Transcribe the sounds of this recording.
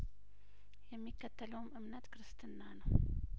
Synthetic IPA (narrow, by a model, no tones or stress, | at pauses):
jɛmːikːət̪ʰːələwmʔɨmnət̪kɨɾɨst̪ʰɨnːanəw